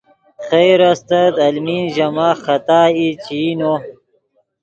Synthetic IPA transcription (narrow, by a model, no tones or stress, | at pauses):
χejɾɐst̪ɐd̪ɐlminʑɐmaːxɐt̪aːit͡ɕino